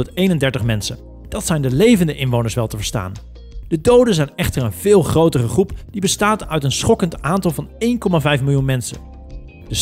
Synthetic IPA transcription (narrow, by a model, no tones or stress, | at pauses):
ətejnəndɛɹtəχmɛnsən | d̥ɑtsɛjndəlejvəndəʔɪnʋownəɹsʋɛlˠtəvəɹsta̰ːn | d̥ədowdənzɛjnɛχtəɹənvɪːlˠχrowtərəχrupd̥ibəstaːtœɥtənsχɔkəntʔaːntɑlˠvɑnejnkɔmavɛjfmɪlˠjunmɛnsə̰ | d̥əs